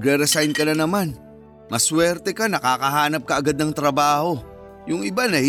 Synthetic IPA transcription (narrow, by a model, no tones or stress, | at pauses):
ɡɾɛɾɛsajnkɐnɐnɐman | mɐswɛɾt̪ɛkanɐkaːkɐɦaːnɐp̚kɐʔɐɡad̪̚nɐŋt̪ɾɐbaːho̞ | jʊŋɪbanɐh